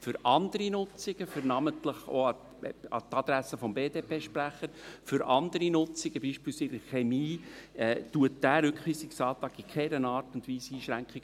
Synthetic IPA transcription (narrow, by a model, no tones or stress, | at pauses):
fʏɾɑnd̪əɾinʊt͡siɡ̥əfʏɾnɑməntləχo̰ːɑ | ɑ̰t̪ɑd̪̥ɾæsəfɔmbeːdeːpʰeːʃpɾæχːəɾfʏɾʔɑnd̪əɾinʊt͡sɪɡ̥əb̥iʃpiːlsɪɾəχemiːɛːtuət̚d̥æːɾʏkχʋiːsiksɑːt̪ɑːɡikʰɛɾənɑːrtʊndʋiːsiːʃɾæŋkχiɡ̥